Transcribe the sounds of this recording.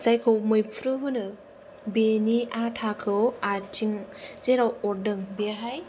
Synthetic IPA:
sajkʰɯwmɯjpʰɾɯɦɯnɯ | beniatʰakʰɯwatʰiŋzeɾawɔɾdɯŋbiaɦaj

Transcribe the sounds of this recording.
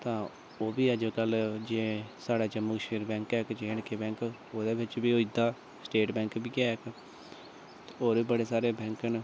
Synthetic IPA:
t̪ãː | oːbiːəd͡ʒkəld͡ʒeːsaːɽaːd͡ʒəmːʊkʃeːɾbɛ̃ːŋkɛːkd͡ʒeːɳkeːbɛ̃ːŋk | oːd̪eːbɪt͡ʃbiːoːid̪aː | sʈeːʈbɛ̃ːŋkbiːkɛk | tːoːɾiːbəɽeːsaːɾeːbɛ̃ːŋkən

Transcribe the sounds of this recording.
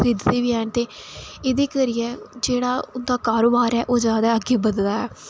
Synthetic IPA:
ɪd̪t̪eːʋiːɛːnt̪eːɪd̪eːkəɾijɛːd͡ʒeːɽaːʊnd̪aːkaːɾoːbaːɾɛːʔoːd͡ʒjaːd̪aːəɡeːbəd̪laːɛː

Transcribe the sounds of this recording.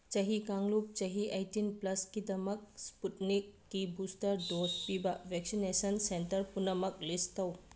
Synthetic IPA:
t͡ʃɐɦikaŋlup̚t͡ʃɐɦiʔajtinplɐskidɐmɐk̚sputnikːibustɐɾdospibɐbeksinesɐnsentɐɾpunɐmɐk̚listɐw

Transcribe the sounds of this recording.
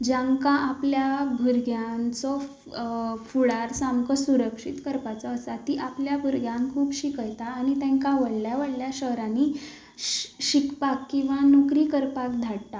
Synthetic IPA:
d͡ʑãŋkãʔapljabʱuɾɡjãnt͡sɔ | fuɽaɾsamkɔsuɾəkʂit̪kəɾpat͡sɔːsat̪iːʔapljabʱuɾɡjãŋkʰuːpɕikəjt̪aːñit̪ɛ̃ŋkaʋəɽljaʋəɽljaɕəɦɾãnːi | ɕikpakːĩw̃ʋanukɾiːkəɾpakd̪ʱaɽt̪a

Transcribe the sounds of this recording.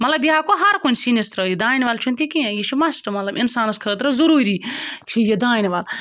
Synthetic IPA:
mɐt̪lɐbjaːkoɦɐɾkunʲsinist̪ɾɐjed̪aːnʲʋaːlt͡ʃʰunt̪ikiẽjit͡ʃʰimɐsʈɐmɐt̪lɐbinsaːnɐskʰəːt̪ɾɐzuɾuːɾiːt͡ʃʰijed̪aːnʲiʋaːl

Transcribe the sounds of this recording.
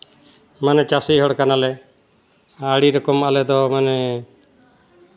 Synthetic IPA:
manɛt͡ʃasiɦɔɽkanalɛ | aɽiɾɔkɔmalɛd̪ɔmanɛ

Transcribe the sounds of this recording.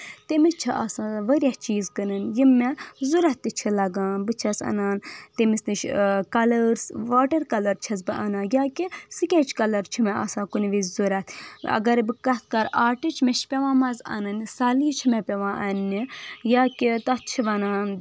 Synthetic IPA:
t̪emit͡ʃʰiʔa̰sãːʋəɾʲjaht͡ʃiːzkɐnɨnjimːezuɾɐt̪ːit͡ʃʰilɐɡaːnbɨt͡ʃʰɐsɐ̰naːnt̪emisnɨʃkɐlɐɾsʋaːʈɐɾkɐlɐɾt͡ʃʰɐzbɨʔɐnãːjaːkisɨkʲet͡ʃʰkɐlɐɾt͡ʃʰimeɐ̰sãːkuniʋizuɾɐt̪ʰɐ̰ɡɐɾbɨkɐt̪̚ʰkɐɾaːʈit͡ʃʰmeʃpʲeʋãːmɐzɐ̰nɐnsaːliːt͡ʃʰimepʲeʋãːʔɐnnijaːkit̪ɐt͡ʃʰiʋɐnaːn

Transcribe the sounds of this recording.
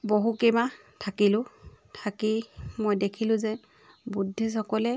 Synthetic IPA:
boɦukɛma | tʰakilʊ̃tʰakimojdekʰilʊ̃zɛ | budʱːisɔkɔlɛ

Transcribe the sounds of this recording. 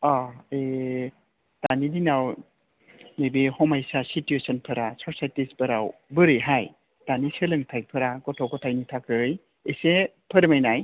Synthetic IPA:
ae | tanidinaw | nebehɔmajsasituesənpʰɯɾasɔɾsajtispɯɾawbɯɾɯɦaj | tanisɯlɯŋtʰajpʰɯɾaɡɔtʰɔkɔtʰajnitʰakɯɯj | ese | pʰɯɾmajnaj

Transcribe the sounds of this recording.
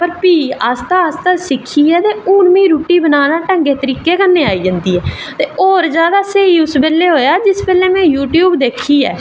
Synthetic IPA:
pəɾpiːaːst̪aːast̪aːsɪkʰːiːɛːt̪eːuːɳmĩːɾuːʈːiːbənaːnãːʈə̃ŋɡeːt̪əɾiːkeːkənːẽːaːiːd͡ʒənd̪iːɦɛː | t̪eːoːɾd͡ʒjaːd̪aːseiːʊsbɛːlːeːɦoːjaːd͡ʒɪsbɛːleːmɛ̃ːjuːʈjuːbd̪eːkʰiːɛ̰ː

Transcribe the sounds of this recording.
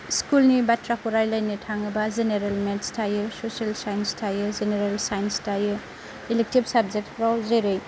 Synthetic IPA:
skulnibatʰɾakʰuɾajlajnitʰaŋɐbazeneɾelmetstʰajɯsoselsajenstʰajɯzeneɾelsajnstajɯ | ilek̚tibsab̚zek̚t̚pʰɾawlzejɾej

